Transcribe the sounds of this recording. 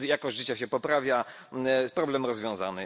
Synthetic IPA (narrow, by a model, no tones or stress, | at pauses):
jakɔʑʐɘt͡ɕɛɕɛpɔpɾavʲja | pɾɔblɛmɾɔzvʲjɔ̃w̃za̰nɘ